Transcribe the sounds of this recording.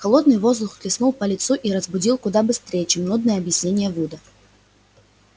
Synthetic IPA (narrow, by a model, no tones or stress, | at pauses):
xɐlˠo̞d̪nɨjvo̞zd̪ˠʊxklʲɪsnulˠpəlʲɪt̪suʔiɾəzbʊdʲilˠkʊd̪abɨst̪ɾʲejət͡ɕemnud̪̚nɨjəɐbjɪsʲnʲenʲɪjəvud̪ə